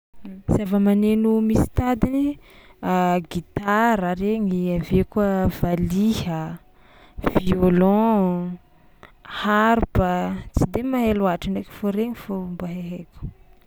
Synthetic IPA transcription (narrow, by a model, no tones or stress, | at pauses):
z̥avəmanenumisi̥t̪ad̪iniaɡit̪aɾaɾeŋiavekwəvalihə | v̥iolɔ̃ | haɾpət͡sid̪emaɦeluaʈ͡ʂaneki̥foɾeŋifombaɦeɦeku̥